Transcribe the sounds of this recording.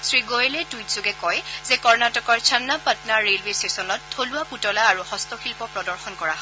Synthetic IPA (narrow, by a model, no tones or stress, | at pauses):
sɹiɡoelɛtujtz̥ʊɡɛkɔjzɛkɔɹnatɔkɔɹt͡ʃʰanːapatnaɹelbesesɔnɔtʰːoluaputɔlaːɹuhɔstɔxilpɔpɹɔdɔɹxɔnkɔɹaɦɔ